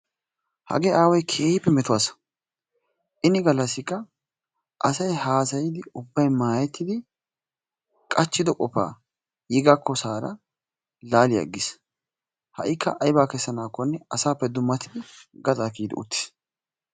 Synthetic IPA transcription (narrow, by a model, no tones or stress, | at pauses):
hɐ̰ɡeːʔaːwɔjkʰeːjpːɛmɛt̪ʊwaːsɐ̥ | ʔɪnɪɡɐlːɐsːɪkːɐ | ʔɐsɐjhaːsɐjɪd̪ɪʊbːɐjmaːjɛt̪ːɪd̪ɪ | kʼɐt͡ʃːɪd̪ɔkʼɔpːa̰ː | jɪɡakʰːɔsaːɾɐ̰ | laːlɪjɐ̰ɡːɪs | hɐ̰ʔɪkːɐ̰ʔɐjbaːkɛsːɐnaːkːɔnːɛɐsaːpːɛd̪ʊmːɐt̪ɪd̪ɪɡɐt̪ʼaːfiːd̪ɪ̰ʊ̰t̪ːɪ̥s